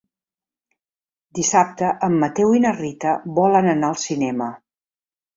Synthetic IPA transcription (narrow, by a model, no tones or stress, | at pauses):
d̪isap̚t̪əʔəmːət̪ɛwinərit̪əβɔlənənaəlˠsinɛmə